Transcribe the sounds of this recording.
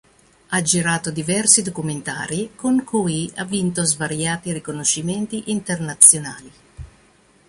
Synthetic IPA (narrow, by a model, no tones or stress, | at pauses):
ad͡ʒiɾaːt̪od̪ivɛrsid̪okument̪a̰ːɾikoŋkʰuːjia̰vːint̪ozvaɾjaːt̪irikonoʃːiment̪iʔint̪ernat̪sjona̰ːli